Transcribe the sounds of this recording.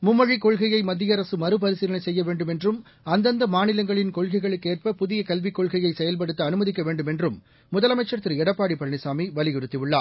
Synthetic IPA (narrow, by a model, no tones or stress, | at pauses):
mʊmːɐɻikːɔɻɣɐjɐɪmɐd̪ːɪjɐɾɐsɯmɐɾɯpɐɾɪsɪɾɐnɐɪsɛjːɐʋeːɳɖɯmɛndrɯm | ɐnd̪ɐnd̪ɐmaːnɪlɐŋɡɐɭɪnkɔɭɣɐɪɣɐɭɯkːeːr̚pɐpʊðɪjɐkɐlʋɪkːɔɭɣɐjɐɪsɛjɐlpɐɽɯt̪ːɯɐnɯmɐðɪkːɐʋeːɳɖɯmɛndrɯmː | ʊðɐlɐmɐɪt͡ʃːɐɾt̪ːɪɾɛɽɐpːaːɽipɐɻɳɪsaːmiʋɐlɪɣɪɾɯt̪ːɪʋɯɭːaː